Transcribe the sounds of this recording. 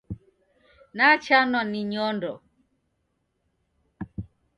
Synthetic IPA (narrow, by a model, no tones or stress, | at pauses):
nat͡ʃanwaniɲɔndɔ